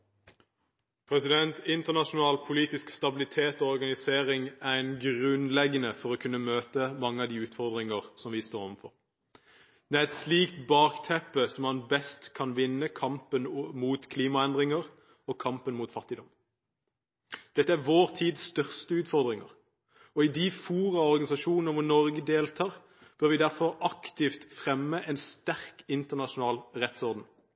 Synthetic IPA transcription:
pʰʁɛsɪd̪ɛnt̪ɪnt̪əʁnɑʃʊn̩ɑːlpʰʊliːt̪ɪskst̪ɑbɪlɪt̪ʰeːt̪ɔːɔʁɡɑnɪseːʁɪŋæʁɛɪnɡʁʉnlɛɡənəfɔʁɔkʰʉnːəmøːt̪əmɑŋːəɑd̪iːʉːt̪fɔʁd̪ʁɪŋəʁsɔmʋɪst̪oːʁɔʋnfɔ̰ʁ | d̪̥ɛæʁɛt̪sliːkt̪bɑːkt̪ʰɛpəsɔmhɑnbɛst̪kʰɑnʋɪnːəkʰɑmpənmuːt̪kʰliːmɑɛnd̪ʁɪŋəʁ | ɔkʰɑmpənmuːt̪fɑt̪ːɪd̪ɔm | d̪̥ɛt̪ːəæʁʋoːʁt̪ʰiːd̪sst̪œʁst̪əʉːt̪fɔʁd̪ʁɪŋə̰ʁ | ɔɪd̪ifuːʁɑɔʁɡɑnɪsɑʃuːnnəʁʋɔnɔʁɡəd̪eːlt̪ʰɑːʁ | b̥øːʁʋɪd̪æʁfɔʁɑkt̪ɪft̪fʁɛmːəʔɛnst̪æʁkɪnt̪əʁnɑʃʊnɑːlʁɛt̪sɔʁd̪n̩

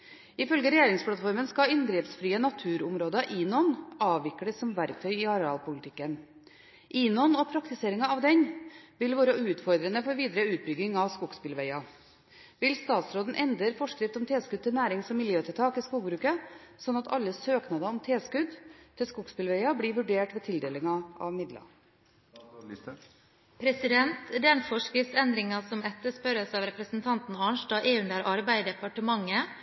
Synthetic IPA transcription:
ɪfœlɡəɾɛjeːɾɪŋspʰlɑt̪fɔɾmənskɑɪnɡ̪ɾiːpsfɾiːənɑt̪ʰʉːɾʊmɾoːd̪əʔiːnɔnɑːʋʋɪkːəd̪əsɔmʋæɾk̚t̪ʰœʏɪɑɾɛɑ̰ːlpʊlɪt̪ʰɪkːən | ʔiːnɔnɔpʰɾɑkt̪ɪseːɾɪŋɑɑʋd̪ɛnʋɪlʋɑːɾəʉːt̪fɔɾd̪ɾənəfɔɾʋiːd̪ɾəʉːt̪̚bʏɡɪŋɑʋskʊkspɪlʋɛɪɑ | ʋɪlst̪ɑːt̪sɾoːd̪n̩ʔɛnd̪ɾəɾfɔʂkɾɪft̪ɔmt̪ʰeːskʉd̪̚t̪ɪlnæːɾɪŋsɔmːɪljøːt̪ʰɪt̪ʰɑːkɪskuːɡbɾʉːkəsɔnːɑt̪ɑlːəsøːknɑd̪əɔmt̪ʰeːskʉd̪t̪ʰɪlskʊkspɪlʋæɪɑbliːʋʉɖeːʈʋeːt̪ʰɪld̪eːlɪŋɑʔɑ̰ʋmɪd̪lɑ̰ | pʰɾɛsɪd̪ɛnt̪d̪ɛɳfɔʂkɾɪft̪sɛnd̪ɾɪŋɑsɔmɛt̪ːəʂpœɾəsɑːʋɾɛpɾəsn̩t̪ʰɑnt̪n̩ɑːɳʂʈɑːʔeːʉnd̪æɾʔɑɾbæɪd̪ɛpɑʈəmɑŋːə

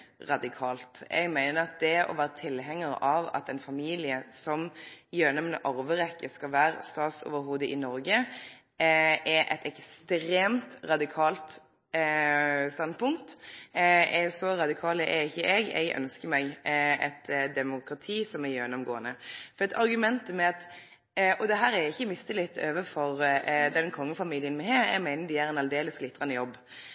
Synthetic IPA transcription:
ɾɑd̪ɪkʰɑːlt̪ʔɛ̰ɡmæɪnəɾɑt̪̚d̪ɛʔɔ̰ʋæːʁət̪ʰɪlɦɛŋːəɾɑʋɑ̰t̪ɛnfɑmiːlɪəsɔmjøːnɔmnəʔɑɾʋəʁɛkːəskɑlʋæːɾst̪ɑːt̪so̰ːʋəɾɦuːd̪əʔɪnɔɾɡə | ɛʔɛ̰t̪ɛkst̪ɾeːmt̪ɾɑd̪ɪkʰɑːlt̪ | st̪ɑnd̪pʊŋkt̪ | ʔɛsɔɾɑd̪ɪkʰɑːləʔɛɪçːəʔɛɡɛ̰ɡʔœ̰nskəɾmɛɡɛt̪d̪ɛmʊkʁɑt̪ʰiːsɔmæɾjœnɔmɡoːənəfɔɾɛt̪ʰɑɾɡʉmɛnt̪əmɛɑt̪ | ʔɔd̪ɛɦæːɾæɪçːəmɪst̪əlɪt̪ːøːʋəfɔʁd̪ɛnkʰɔŋːəfɑmiːlɪənmɛɦeːɾɛ̰ɡmæɪnəd̪ɪæɾɛnɑld̪eːləsɡlɪt̪ːɾɑnəjɔbː

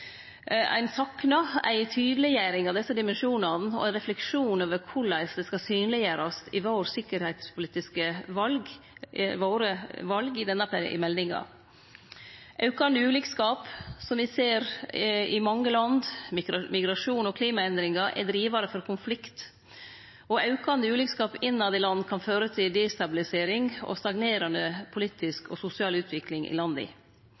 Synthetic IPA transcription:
æ̰ɪnsɑknɑæ̰ɪt̪ʰyːd̪əlɪjæɾɪŋɑʋd̪ɛsːəd̪ɪmɛnʃuːnɑnɔ̰æɪnɾɛflɛkʂuːnøːʋəɾkʰʊɭæɪsd̪ɛskɑsyːnlɪjəːɾɑsɪʋoːɾsɪkːəɾhæɪt̪spʰʊliːt̪ɪskəʋɑlɡ | ʋoːɾəʋɑlɡɪd̪ɛnːɑpʰɛɾ̰ʔɪ̰mɛlnɪŋɑ̰ | ʔɑʉkɑnəʉːlɪkskɑːpsɔmʋɪseːɾɪmɑŋːəlɑnd̪mɪɡɾɑʂuːnɔkʰliːmɑɛnd̪ɾɪŋɑʔɛ̰d̪ɾiːʋɑɾəfɔɾkʰʊnflɪkt̪ | ɔɑʉkɑnd̪əʉːlɪkskɑːpɪnːɑd̪ɛlɑnːkʰɑnføːɾət̪ʰɪld̪ɛst̪ɑbɪlɪseːɾɪŋɔ̰st̪ɑɡneːɾɑnəpʰʊliːt̪ɪskɔ̰sʊsɪɑːlʉːt̪ʰʋɪklɪŋɪ̰lɑnd̪ɪ̰

